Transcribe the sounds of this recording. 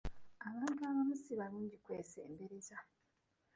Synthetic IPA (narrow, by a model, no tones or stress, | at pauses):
aβaːntuaβamusiβaɾuːɲɟikwe̞ːsḛːmbeɾeza